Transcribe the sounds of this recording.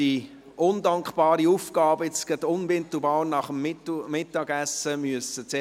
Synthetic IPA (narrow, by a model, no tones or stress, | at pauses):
i | ʔʊndɑŋkχb̥ɑːɾiufɡ̥ɑːbəɪt͡skətʊnvɪnt̪l̩bɑːnɑχəmmːɪtːɑɡæsəmyəsət͡se